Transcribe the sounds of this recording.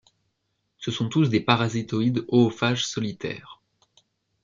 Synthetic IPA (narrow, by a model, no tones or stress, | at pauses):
səsɔ̃t̪usd̪epaʁazit̪ɔid̪ɔːfaʒsɔlit̪ɛ̰ːʁ